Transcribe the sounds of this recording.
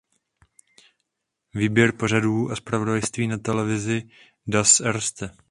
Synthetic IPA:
viːbjɛɾpo̞r̝aduːʔaspɾavo̞dajst̪viːnat̪ɛlɛvɪzɪ | dasɛɾst̪ɛ

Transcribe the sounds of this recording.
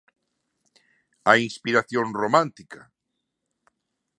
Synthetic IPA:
ainspiɾaθjõnromãnt̪ika

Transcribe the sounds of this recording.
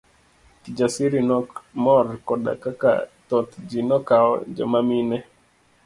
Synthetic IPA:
kid͡ʒasiɾinmɔɾkɔɗa̰kaka̰tɔt̪d͡ʒinɔkaɔ̰d͡ʒɔ̰maminɛ

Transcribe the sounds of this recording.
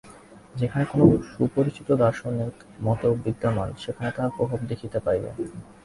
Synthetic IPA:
d͡ʑekʰanekonoʃupoɾit͡ɕit̪od̪aɾʃoneɾ | mɔt̪obid̪ːamanʃekʰanet̪apɾobʱabd̪ekʰit̪epajbḛ

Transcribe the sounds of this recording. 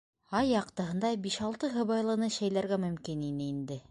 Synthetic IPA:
ɑjːɑqt̪ɤ̆ɦɤ̆nd̪ɑbiʃɑlˠt̪ɤɦɤ̆βɑjlˠɤ̆nɤʃæjlæɾɡæmɵ̆mkininɘind̪ɘ

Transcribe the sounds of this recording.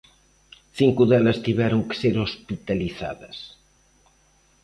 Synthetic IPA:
θiŋkuðɛlɐst̪iβɛɾʊŋke̥seɾospit̪aliθa̰ðɐs

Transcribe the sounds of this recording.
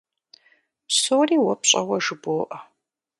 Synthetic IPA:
soːriːwɐpɕʼɐwɐʒɨboːʔɐ

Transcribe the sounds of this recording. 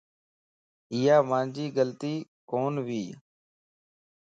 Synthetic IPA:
ɪːaːmãːnd͡ʒiːɡəlt̪iːkoːnʋiː

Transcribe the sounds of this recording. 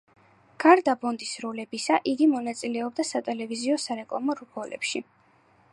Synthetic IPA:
ɡ̥aɾd̪abɔnd̪isɾulɛbisaʔiɡimɔnat̪sʼilɛɔb̚d̪asat̪ʼɛlɛviziɔsaɾɛkʼlˠamɔɾubɔlɛ̰pʃi

